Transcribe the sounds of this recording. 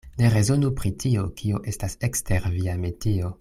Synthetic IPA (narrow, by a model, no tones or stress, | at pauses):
ne̞ɾe̞zo̞nupɾitio̞kʰioʔe̞stase̞ksteɾviametio̞